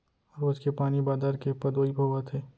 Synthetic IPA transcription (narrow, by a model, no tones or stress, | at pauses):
ɾoːd͡ʒkepaːnibaːd̪aːɾkepɐd̪oːibʱoːʋət̪ʰɦeː